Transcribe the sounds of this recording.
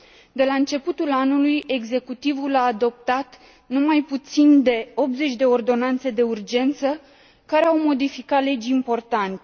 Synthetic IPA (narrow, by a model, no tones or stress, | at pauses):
d̪e̞laɨnt͡ʃe̞put̪ulanuluje̞ɡze̞kut̪ivulaːd̪o̞p̚t̪at̪ | numajput̪sind̪e̞o̞p̪̚ze̞t͡ʃʲd̪e̞o̞rd̪o̞nant̪se̞d̪e̞urd͡ʒe̞nt̪sə | kaɾe̞awmo̞d̪ifikat̪le̞d͡ʒʲimpo̞rt̪ant̪e